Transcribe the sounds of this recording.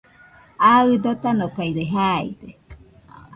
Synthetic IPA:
aɨd̪ot̪anokaiɾeɦaḭde

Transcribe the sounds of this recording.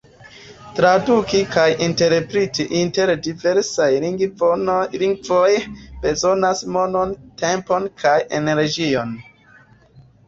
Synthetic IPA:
tɾadukikʰajinte̞ɾpɾetiʔinte̞ɾdive̞ɾsaj | liŋɡvojb̥e̞zo̞nasmo̞no̞nte̞mpo̞nkʰaje̞ne̞ɾd͡ʒio̞n

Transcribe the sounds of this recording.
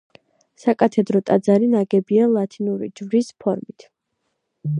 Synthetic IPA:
sakʼat̪ʰɛd̪ɾɔt̪ʼad̪zaɾinaɡɛbialˠat̪ʰinuɾḭd͡ʒvɾispʰɔɾmit̪ʰ

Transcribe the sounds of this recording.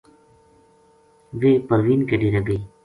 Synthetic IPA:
ʋeːpəɾwiːnkeɖiɾeɡəi

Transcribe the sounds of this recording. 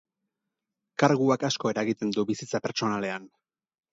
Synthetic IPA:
kaɾɣuakasko̞e̞ɾaeɣit̪e̞nd̪ubisit͡sape̞ɾt͡ʃo̞nale̞an

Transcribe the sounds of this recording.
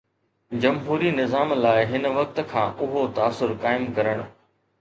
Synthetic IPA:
d͡ʑɐmɦuːɾinɪzaːmlaːɪɦɪn̆ʋɐk̚t̪kʰãːʔʊɦot̪aːsʊɾkaːɪmkɐɾəɽ̃ʊ̆

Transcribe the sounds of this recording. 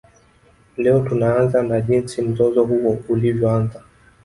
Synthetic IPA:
lɛɔtunaanzanaʄinsim̩zɔzɔɦuwɔulivjɔanza

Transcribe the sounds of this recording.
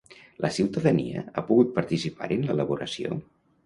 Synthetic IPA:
lʔəsiwt̪əðəniə̰apuɣut̪̚pəɾt̪isipa̰ɾənlələβuɾəsio̰

